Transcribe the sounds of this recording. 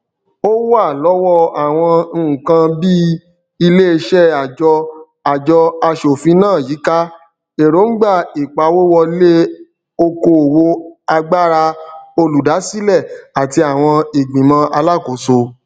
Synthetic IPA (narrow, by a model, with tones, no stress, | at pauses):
o˦wa˦˨lɔ˨˦wɔ˦a˨w̃ɔ̃˧ñ̩˦˨kã˧bi˦ | i˧le˦e˧ʃɛ˦a˨d͡ʒɔ˧ | a˨d͡ʒɔ˧a˧ʃo˨fĩ˨˧˦nãː˦˨ji˨˦ka˦ | e˨ɾo˨˦ŋ̩˦ɡ͡ba˦˨i˨k͡pa˨˦wo˦wɔ˧le˦ | o˦˧ko˨wo˧a˧ɡ͡ba˦ɾa˧o˧lu˨da˨˦si˦lɛ˦˨a˨ti˧a˨w̃ɔ̃˧i˨ɡ͡bĩ˨mã˧ʔa˧la˦˨ko˨so˧